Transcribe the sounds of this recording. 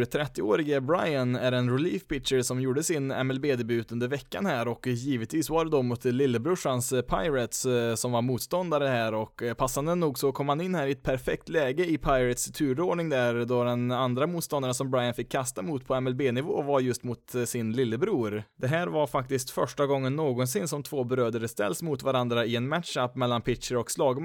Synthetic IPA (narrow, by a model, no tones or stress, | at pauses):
ɾt̪ʰɾɛt̪ːɪoːɾɪɡabɾajanæɾɛnɾɛliːfpɪtʂəɾsɔmjuːɖəsɪnɛ̰mɛlbeːd̪ɛbʉ̟ːt̪ɵnd̪əɾvɛkːa̰nhæːɾɔkjiːvət̪viːsvaɖɛd̪ɔmʊt̪lɪlːəbɾɵʂanspʰaɪɾət̪ssɔmvaɾmuːt̪st̪ɔnd̪aɾəhæːɾɔkːpʰasːand̪ənːuːɡsɔkʰɔmːhanɪnːhæːɾɪɛt̪̚pʰæɾfɛkt̪lɛːɡəɪpʰaɪɾət̪st̪ʰʉ̟ːɾoːɖɳɪŋd̪æɾd̪ɔd̪ɛnand̪ɾamuːt̪st̪ɔnd̪aɾənsɔmbɾajanfɪkʰːast̪amʊt̪pʰɔɛmɛlbeːnɪvoːvaɾjɵst̪mʊt̪sɪnlɪlːəbɾuːɾd̪ɛɦæːɾvaɾfak̚t̪ɪskt̪fœʂʈaɡɔŋːənːoːɡɔnsɪnːsɔmt̪ʰvoːbɾøːd̪əɾst̪ɛ̰lːsmʊt̪vaɾand̪ɾaɪɛnmæt̪ʂapːmɛlːanpʰɪt̪ʂəɾɔkslɑːɡm